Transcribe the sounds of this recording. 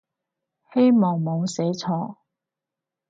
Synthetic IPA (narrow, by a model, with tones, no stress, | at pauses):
he˥jmɔː˨ŋmo˨˧wse˨˥jt͡sʰɔː˧